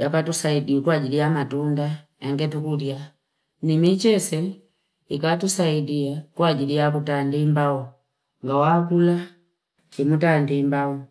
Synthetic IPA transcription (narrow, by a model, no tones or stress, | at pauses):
jakatusaidiwɛkwaɟilijamatunda | ɛŋɡɛtukudja | nimit͡ʃɛsɛ | ikatusaidiakwaɟilijakutandimbaɔ | ŋɡawakula | t͡ʃimutandimbaɔ